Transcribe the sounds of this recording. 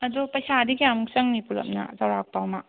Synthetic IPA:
ɐdupɐjsadiɡijamuksɐŋnipulɐ̰mna̰zɐwɾak̚pawma

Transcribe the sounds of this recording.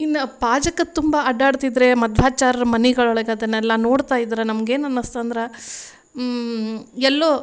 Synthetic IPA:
inːɐpaːd͡ʒɐkːɐt̪umbɐɐɖaːɽt̪id̪ɾe̞mɐd̪ʱʋaːt͡ʃaːɾɐɾɐmɐniɡɐɭɔɭɐɡeɐd̪ɐnːɛlːɐno̞ːɽt̪aːjid̪ɾɐnɐmɐɡeːnɐnːɐst̪ɐnd̪ɾe | ɛlːoː

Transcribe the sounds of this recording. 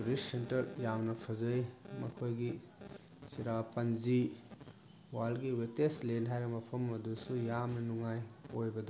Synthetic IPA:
ɾissentɐɾjamnɐpʰɐzɐjmɐkʰojɡi | siɾapɐnzi | walɡiweteslenɦajɾɐmɐpʰɐmɐdusujamnɐnuŋajojbɐd̪u

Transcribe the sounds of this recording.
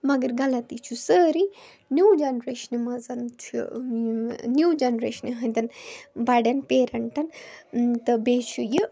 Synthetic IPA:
mɐɡɐɾɡɐlɐt̪it͡ʃʰusəːɾi | njuːd͡ʒɐnɾeːʃɐnimɐzɐnt̪ʰḭ | njuːd͡ʒɐnɾeːʃɐniɦɐ̃nd̪ɐnbɐɖɐnpeːɾɐɳʈɐnt̪ɐbeːt͡ʃʰuji

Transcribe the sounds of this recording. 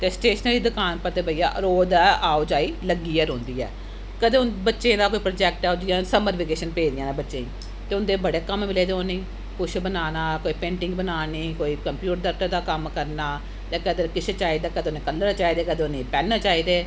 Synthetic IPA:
t̪eːsʈeːʃənəliːd̪ʊkaːnpəɾt̪eːbəija̰ːɾoːd̪ɛːaːod͡ʒaːiːləɡiːəɾɦõːnd̪iːɛ̰ː | kəd̪eːʊnbətːʃẽːd̪aːkoːiːpɾoːd͡ʒɛːk̚ʈɛːod͡ʒɪjãːsəməɾʋiɡeːʃənpeːd̪ɪjãːnẽːbətːʃẽːĩː | t̪eːʊnd̪eːbəɽeːkəmmɪleːd̪eoːniː | kʊt͡ʃʰbənaːnaːkoːiːpẽːɳʈɪ̃ŋɡbənaːniːkoːiːkəmpjuːʈɾd̪əʈəɾd̪aːkəmkəɾnaː | j̪aːkəd̪eɾkɪt͡ʃʰːt͡ʃaːiːd̪aːkəd̪eʊnẽːkəlːəɾt͡ʃaːiːd̪eːkəd̪eːʊnẽːpɛːnːaːt͡ʃaːiːd̪eː

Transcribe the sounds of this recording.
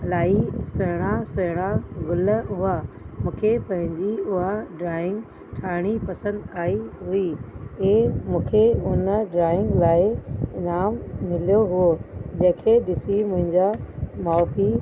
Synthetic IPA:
laːisʊɦɪɽ̃asʊɦɽ̃aɡʊləɦʊamũːkʰepɐ̃ɦɪ̃ɲd͡ʑiʊɦaɖɾaːɪ̃ŋɡ | ʈʰaːɪɽ̃ipɐsə̃nd̪aːiɦʊieːmũːkʰeʊnəɖɾaːɪ̃ŋɡlaːɪɪnaːmːɪlijoɦuod͡ʑɐ̃ːkʰeɗɪsimʊ̃ɦɪ̃ɲd͡ʑamaːpi

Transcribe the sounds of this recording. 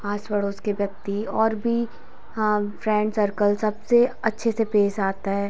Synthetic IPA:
aːsʋəɽoːskeʋjɐk̚t̪iɔːɾbʱi | fɾɛ̃ːɳɖsəɾkəlsɐbseɐtːʃʰesepeːsaːt̪aɦɛː

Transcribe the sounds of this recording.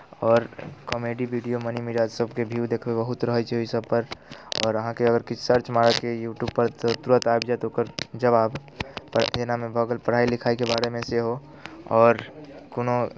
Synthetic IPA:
ɔːɾkɔmeɖibiɖijomənimiɾaːd͡ʒsəbkebʱiwd̪eːkʰbebəɦut̪ɾəɦət͡ʃʰɛɦoisəb̚pəɾɔ̰ːɾəɦãkeəɡəɾkit͡ʃʰsəɾt͡ʃmaɾakejuːʈjubpəɾt̪ot̪uɾət̪abd͡ʒat̪ooːkəɾd͡ʒəbaːbpenamẽbʱəɡəlpəɾ̤ailɪkʰaːikebaːɾemẽseɦo | ɔːɾkono

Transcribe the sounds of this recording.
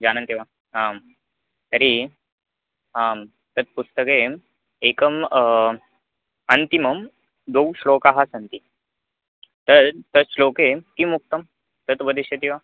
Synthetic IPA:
d͡ʑanənt̪iʋa | ɦãm | t̪əɾi | ɦãm | t̪ət̪̚pust̪əke | ekəm | ənt̪iməm | d̪owɕlokaɦasənt̪i | t̪əɾt̪əslokekimuk̚t̪əm | t̪ət̪ʋəd̪iɕet̪iʋa

